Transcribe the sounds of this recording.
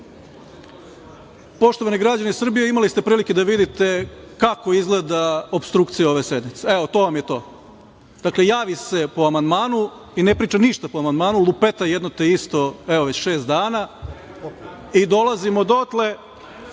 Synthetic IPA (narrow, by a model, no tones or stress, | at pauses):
po̞ʃt̪o̞ʋaniɡɾad͡ʑanisr̩bijeimalist̪e̞pɾiːliked̪aʋid̪it̪e̞ | kako̞izɡle̞d̪aopst̪ɾuːkt̪sijeo̞ʋesed̪mit̪se̞eʋo̞t̪o̞ːʋamjet̪oː | d̪akle̞jaːʋise̞po̞amand̪maːnu | inepɾiːt͡ʃaniʃt̪apoamand̪maːnulˠupet̪ajed̪not̪eist̪o̞eʋo̞ʋe̞t͡ɕʃe̞ːst̪d̪aːna | id̪o̞lazimo̞d̪ot̪le̞